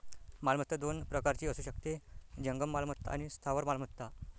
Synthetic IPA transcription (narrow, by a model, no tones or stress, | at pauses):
malmət̪ːəd̪onpɾəkaɾt͡ɕiːəsuːɕəkt̪ed͡ʑəŋɡəmːalmət̪ːaa̰ñist̪ʰaʋəɾmalmət̪ːa